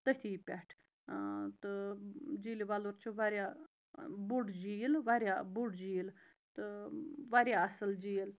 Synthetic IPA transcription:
t̪ət̪ʰiːpʲɛʈʰ | t̪ɨd͡ʒiːliʋaːloɾt͡ʃʰuʋaːɾjaː | bʊɽd͡ʒiːlʋaːɾjaːbʊɖd͡ʒiːl | t̪ɨʋaːɾjaɐsəld͡ʒiːl

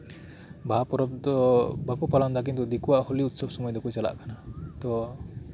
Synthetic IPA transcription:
bʱapɾɔbd̪ɔbʱakɔpaland̪ak̬int̪ud̪ikuwaʔhɔliut̪sɔbsɔmɔjd̪ekut͡ʃala̰ʔkʰanat̪ɔ

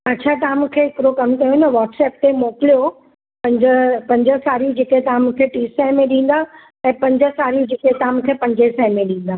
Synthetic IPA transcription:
ɐtːt͡ɕʰat̪ɐãmũkʰeɪkɪɾokɐmkɐjonɐʋɔːʈsɛːp̚t̪emoːkɪlijo | pɐ̃ɲd͡ʑəpɐ̃ɲd͡ʑəsaːɾijũd͡ʑeːkeɦet̪ɐɦãmũkʰeʈiːsɛɪ̃mẽɗĩːn̆d̪a | ɛ̃ːpɐ̃ɲd͡ʑə̆saːɾijũd͡ʑeːket̪ɐãmũkʰepɐ̃ɲd͡ʑesɛ̃ɦɪ̃mẽɗĩːn̆d̪aː

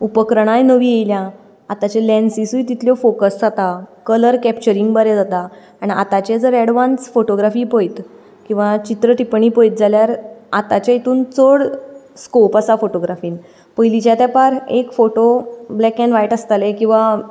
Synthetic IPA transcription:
upəkɾɽ̃ajnəʋiːjejlja | at̪at͡ɕelɛnsisuit̪it̪ʰljɔfokəsd͡zat̪akələɾkɛpt͡ɕəɾiŋɡbəɾɛd͡zat̪aː | ɽ̃ia̰t̪at͡ɕed͡zəɾɛɽʋansfoʈoɡɾafiːpojt̪ | kĩw̃ʋat͡ɕit̪ɾəʈipɳiːpəjt̪̚d͡zaljaɾat̪at͡ɕjait̪ʰuːnt͡soɽskopasafoʈoɡɾafiːn | pəjlit͡ɕjat̪japaɾekfoʈoblɛkɛ̃nʋajʈəst̪alekĩw̃ʋa

